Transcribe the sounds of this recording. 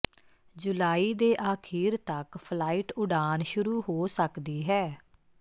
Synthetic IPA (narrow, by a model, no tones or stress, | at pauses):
d͡ʒʊlaːiːd̪eːʔaːkʰiːɾt̪əkpʰlaːiːʈʊɖaːnʃʊɾuːɦoːsəkd̪iːɦɛː